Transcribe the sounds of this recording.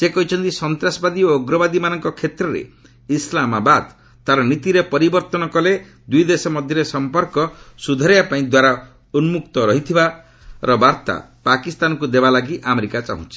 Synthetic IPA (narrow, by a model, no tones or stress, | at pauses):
sekɔɦit͡ʃʰɔnt̪isɔnt̪ɾasɔbad̪ioːɡɾɔbad̪imanɔŋkɔkʰet̪ɾɔɾḛ | islamabad̪ | t̪aɾɔnit̪iɾepɔɾibɔɾt̪ɔnɔkɔle | d̪ujd̪esɔmɔd̪ʱjɔɾesɔmpɔɾkɔsud̪ʱɔɾjapaĩd̪waɾa | unmuk̚t̪ɔɾɔɦit̪ʰiba | ɾɔbaɾt̪a̰pakist̪anɔkud̪ebalaɡiʔameɾikat͡ʃa̰ɦṵ̃t͡ʃʰi̥